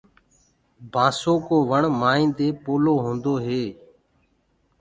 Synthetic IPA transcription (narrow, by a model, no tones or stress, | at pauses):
bʱãːsoːkoːʋəɳmaːĩːnd̪eːpoːloːɦõːnd̪oːɦeː